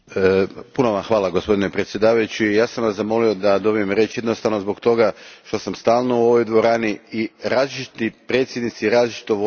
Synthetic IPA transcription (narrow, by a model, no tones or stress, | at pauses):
puno̞ʋamxʋaːlaɡo̞spo̞d̪inepɾet̪sje̞d̪aːʋajut͡ɕijaːsamʋasamo̞lio̞d̪ad̪o̞bije̞mɾe̞t͡ɕjed̪no̞st̪aʋnozbo̞kt̪o̞ɡaʃt̪o̞samst̪aːlˠnouo̞ʋo̞jd̪ʋo̞ɾaːniiɾaːzlit͡ʃi̥t̪ipɾe̞t̪sjed̪nit̪siɾaːzlit͡ʃi̥t̪oʋo